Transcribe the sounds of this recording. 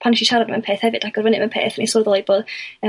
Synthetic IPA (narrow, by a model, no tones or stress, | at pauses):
pʰanʃiʃaɾadəmɛnpʰeːθhɛvɨd̥aɡɔrvənɨmɛnpʰḛːθənḭsɔðɔlˠiboːðə